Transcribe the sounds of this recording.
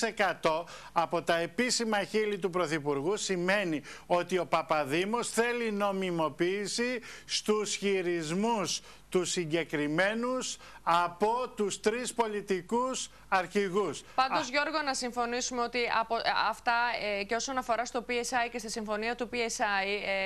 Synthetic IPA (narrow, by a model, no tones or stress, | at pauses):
ekɐt̪o̞ | ɐpo̞t̪ɐe̞pisimɐçilit̪̬upɾo̞θipuɾɣusime̞nio̞t̪io̞pɐpɐðimo̞sθe̞lino̞mimo̞piːsist̪usçiɾizmus | t̪usiɲɟe̞kɾime̞nus | ɐpo̞t̪ust̪ɾispo̞lit̪ikus | ɐɾçiɣuspɐnd̪ozʝo̞ɾɣo̞nɐsiɱfo̞nisumeot̪iɐpoɐft̪ɐceo̞sonɐfo̞ɾɐst̪o̞piesɐjce̞st̪isiɱfo̞niɐt̪upiesɐi